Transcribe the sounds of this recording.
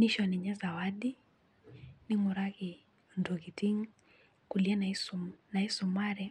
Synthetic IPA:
niʃɔniɲɛzawaɗi | nimuɾaki | ndɔɣitiŋ | kulianaisunaisumaɾɛ

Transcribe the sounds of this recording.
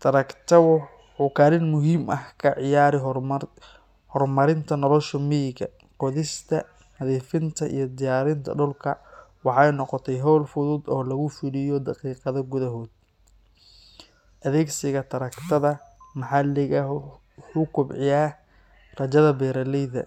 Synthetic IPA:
t̪ʰɐɾɐkt̪ʰɐw | ħuːkʰaːɾɪnmʊɦiːmʔɐhkʰɐʕɪjaːɾɪɦ | hɔrmɐɾɪnt̪ʰɐnɔlɔʃɔmijɪɡɐ̰ | qɔðɪst̪ʰɐ | nɐðiːfɪnt̪ʰɐʔḭjɞd̪ɪjaːɾɪnt̪ʰɐ̰ɖʊlkʰɐwɑħɑjnɔqɔt̪ʰɛjɦɔːlfʊðʊd̪ɔːlɐɣʊfɪlɪjɔd̪ɑqiːqɑðɐɡʊðɐɦɔːd̪̚ | ʔɐðɛːɡsɪɣɐt̪ʰɐɾɐkt̪ʰɐðɐmɐħɑlɪɣɐ | ʊkʰʊbʕɪjaː | rɐt͡ʃɐðɐbɛːɾɐlɛjðɐ̰

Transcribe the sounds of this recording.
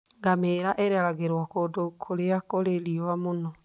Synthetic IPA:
ŋɡameːɾaʔeɾɛɾaɣeɾwɔkodokʰoɾeakoɾeɾiɔwamonɔ

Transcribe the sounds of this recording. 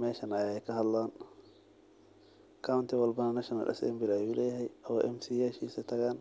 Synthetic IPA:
mɛːʃɐnɐjɛjkʰɐɦɐd̪laːn | kʰawʊnt̪ʰɪwɐlbɐnɐnɐʃɐnɐ̰lʔɛ̰sɛ̰mbɪlːjuːlɛːjɛɦɛjʔɔwʔɛ̰msiːjɛʃiːsɛt̪ʰɐɣaːn

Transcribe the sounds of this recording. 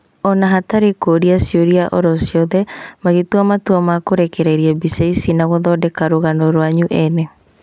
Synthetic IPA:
ɔnaɦataɾekoɾiasioɾiaʔɔɾɔsjɔðɛmaɣetwamatwɔmakoɾɛkɛɾɛɾiɛbiseisinaɣoðɔdɛkaɾoɣanɔɾwaɲuʔɛnɛ

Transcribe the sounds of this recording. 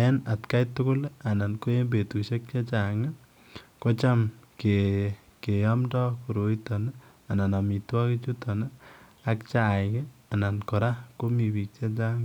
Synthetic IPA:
ɛnat̪kajt̪ːʊkʊlanankoembetusek̚t͡ʃat͡ʃaŋa | kɔt͡ʃamke | kejɔmdɔkuɾoit̪ɔn | ananamitwaket͡ʃut̪ɔn | ak̚t͡ʃajke | anankɔɾakomibik̚t͡ʃat͡ʃaŋ

